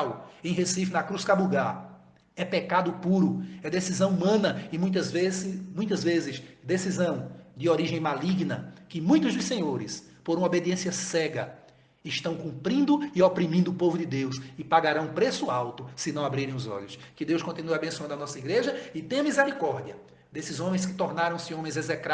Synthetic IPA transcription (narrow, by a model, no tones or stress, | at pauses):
wẽj̃ɦesifɪnɐkɾuskabuɡaɾ | ɛpekad̪ʊpuɾʊɛd̪esizɐ̃w̃umɐ̃nɐɪmũj̃t̪ɐzvezmũj̃t̪̬ɐzvezɪzd̪esizɐ̃w̃d͡ʒ̪ɪoɾiʒẽj̃maliɡnɐkɪmũj̃t̪ʊzd̪ʊsẽɲoɾɪs | poɾũɐobed̪iẽsiɐsɛɡɐ | ɪʃt̪ɐ̃w̃kũmpɾĩnd̪ʊɪopɾimĩnd̪ʊːpovʊd̪ɪd̪ewsɪpaɡaɾãũpɾesʊawt̪ʊsɪ̃nɐ̃w̃abɾiɾẽj̃ʊzɔ̰ʎʊs | kɪd̪ewskõnt̪inuɐabẽsuɐ̃nd̪ʊɐnɔsɐiɡɾeʒɐɪt̪ẽj̃ɐ̃mizɛɾikɔɾd̪iɐ | d̪esɪzõmẽj̃skɪ̥t̪ɔɾnaɾɐ̃w̃sɪõmẽj̃zezɛkɾa